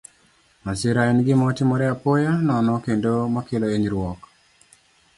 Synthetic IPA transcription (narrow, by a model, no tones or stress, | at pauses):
masɪɾaɛnɡɪmɔtɪmɔɾɛapojanɔnɔkendomakɪlɔeɲɾwɔk